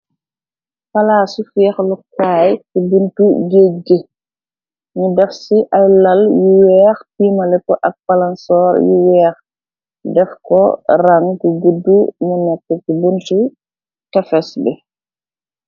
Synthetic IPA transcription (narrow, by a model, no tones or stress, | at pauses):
fɐlaːsufɛːxlukaːjtibuntuɡeːɡə | ɲudɛfsiʔɐjlɐljuwɛːxpiːmɐlɛkɔʔɐk̚bɐlɐnsɔːɾjuwɛːx | dɛfkɔ̰rɐŋkuɡudːumunɛkːɛtibuntu | tɐfɛsbɛ